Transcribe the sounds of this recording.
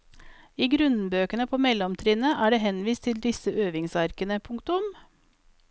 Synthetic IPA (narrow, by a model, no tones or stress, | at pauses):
iːɡɾʉnbøːkənəpʰoːmɛlɔmt̪ʰɾɪnəʔæːɖeːhɛnʋiːst̪ʰɪld̪ɪsəʔøːʋɪŋsɑɾkənəpʰʊŋkt̪ʊm